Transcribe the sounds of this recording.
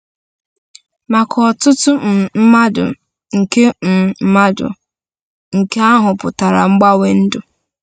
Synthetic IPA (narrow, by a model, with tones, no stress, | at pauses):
ma˨kʰɔ˨tʊ˦tʊ˦m̩˨m̩˦ma˦dʊ̰˨ | ŋ̩˨ke˦m̩˨˦ma˦dʊ̰˨ | ŋ̩˨ke˦a˦ɦʊ˨pʊ˨ta˨ɾa̰˨ŋ͡m̩˦ɡ͡ba˦we˦n̩˦dʊ˨